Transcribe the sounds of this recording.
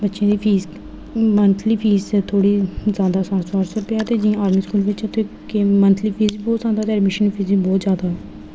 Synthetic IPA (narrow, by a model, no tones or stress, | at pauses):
bətːʃjãːd̪iːpʰiːz | mənt̪ʰliːpʰiːzt̪ʰoːɽiːzjaːd̪aːsãːsaːɾsəɾpjaːt̪eːd͡ʒĩãaːɾmiːskuːlʋɪt͡ʃot̪ʰːeː | kemənt̪ʰliːpʰiːzbɔːt̪zaːd̪aːt̪eːɛɖmɪʃənpʰiːzikbɔːt̪zjaːd̪aːɦɛː